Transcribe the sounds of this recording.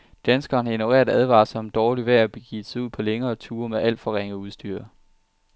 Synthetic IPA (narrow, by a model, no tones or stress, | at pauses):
d̥ænsɡ̥ɐːnhɑ̈enoʁḛːɐdˠæð̞ˠʋɑ̰̈ːsɒ̽md̥ɒːliʋæɐ̰b̥eɡ̥ḭ̥ːsauð̞̰ˠpʰɒ̽leŋɐːt͡sʰuːɐmeʔæl̰d̥fɒ̽ʁeŋ̰əuð̞ˠsd̥yːɐ̰